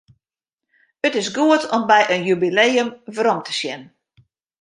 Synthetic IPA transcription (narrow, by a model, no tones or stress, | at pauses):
ətɪsɡuətɔmbɛjʔənjybileːəmvrɔmtə̥sjɛnn